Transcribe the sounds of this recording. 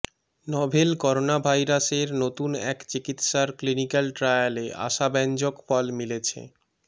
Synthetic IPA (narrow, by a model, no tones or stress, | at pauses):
nɔbʱelkɔɾonabʱajɾaseɾnot̪unɛkt͡ɕikit̪ʃaɾklinikalʈɾajaleʔa̰ʃabɛnd͡ʑokfɔlmilet͡ɕʰḛ